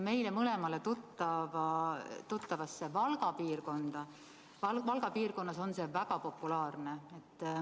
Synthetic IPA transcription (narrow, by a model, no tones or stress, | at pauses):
me̞jlemɤle̞mɑle̞t̪ut̪ːɑvɑt̪ut̪ːɑvɑsːe̞vɑlɡ̥ɑpiːrko̞nd̪̥ɑ | vɑvɑlɡ̥ɑpiːrko̞nːɑso̞nse̞ːvæɡ̥ɑpo̞pːˑulɑːrne̞et̪ː